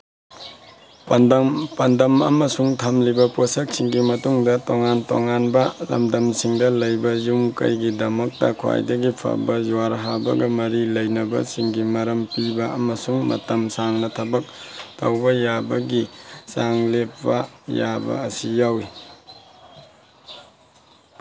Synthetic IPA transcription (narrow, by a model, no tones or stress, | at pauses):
pɐndɐmpɐndɐmɐ̰mɐsuŋtʰɐmlibɐposɐk̚siŋɡimɐtuŋdɐtoŋanto̰ŋanbɐlɐ̰mdɐmsiŋdɐlɐjbɐjumkɐ̰jɡidɐmɐk̚tɐ̰kʰwa̰jdɐɡipʰɐ̰bɐjuwaɾɦabɐ̰ɡɐmɐɾilɐjnɐbɐ̰siŋɡimɐɾɐmpibɐɐmɐsuŋmɐ̰tɐmsaŋnɐtʰɐbɐk̚tɐwbɐjabɐɡisaŋlepːɐjabɐ̰ɐsijawi